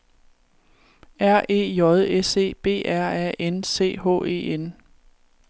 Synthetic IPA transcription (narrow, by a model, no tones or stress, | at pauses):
æɐ̰ʔe̝̰ːjɒ̽ðˠese̝̰ːb̥e̝̰ːʔæɐ̰æ̰ʔense̝̰ːɦɔ̰ːe̝̰ːen